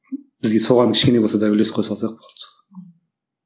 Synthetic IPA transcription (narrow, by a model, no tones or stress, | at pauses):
bɪzɡʲesoʁɑnkʲʰɪ̥ʃkʲenebolˠsɑd̪ɑʏlesqʰojsɑlˠsɑjq̚bolˠt̪